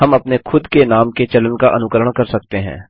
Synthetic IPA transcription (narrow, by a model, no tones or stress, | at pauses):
ɦɐmɐpnexʰʊd̪kenaːmket͡ʃɐlənkaʔɐnʊkəɾəɽ̃kɐɾsɐk̚t̪eɦɛ̰̃ː